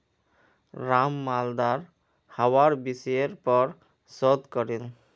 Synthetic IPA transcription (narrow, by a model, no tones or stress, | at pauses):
ɹamːald̪aɾ | hawaɹbisɔjeɾpɔɹ | sɔd̪kɔɾil